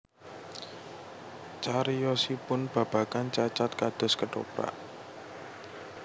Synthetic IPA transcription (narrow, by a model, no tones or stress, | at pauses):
t͡ʃaɾijɔsipʊnb̥a̤b̥a̤kant͡ʃat͡ʃat̪̚kad̪̥ɔ̤skəʈo̰pa̰ʔ